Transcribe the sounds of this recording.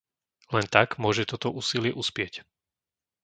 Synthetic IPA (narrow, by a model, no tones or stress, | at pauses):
lɛnt̪aɡmʊɔʒɛt̪ɔt̪ɔʔuːsilɪɛʔuspɪɛc